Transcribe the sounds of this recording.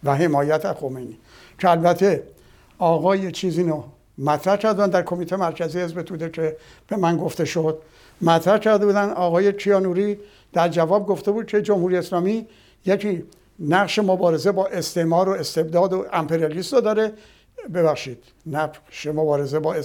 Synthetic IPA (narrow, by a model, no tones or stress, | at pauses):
væɦe̞mɒːjæt̪ʰæxo̞mejni | cʰeælbæt̪ʰe̞ | ɒːɣɒːjet͡ʃʰiːziːno | mæt̪ʰɾæhkʰæɾd̪eænd̪æɾkʰo̞miːt̪ʰejemæɾcʰæziːhezbet̪ʰuːd̪ekʰe̞ | b̥e̞mænɡo̞ft̪e̞ʃod̪̥̚ | mæt̪ʰɾæhkʰæɾd̪ebuːd̪ænd̪ɒːɣɒːje̞kʰijɒːnuɾi | d̪̥æɾd͡ʒævɒːb̚ɡo̞ft̪e̞buːd̪̚kʰe̞d͡ʒomhuɾijeslɒːmi | jekʰiː | næɣʃe̞mo̞bɒːɾe̞ze̞bɒːʔest̪emɒːɾoe̞st̪e̞bd̪ɒːd̪oʔæmpʰe̞ɾijɑliːst̪od̪ɒːɾe | be̞bæxʃiːd̪̥ | næʃemobɒːɾe̞ze̞bɒːe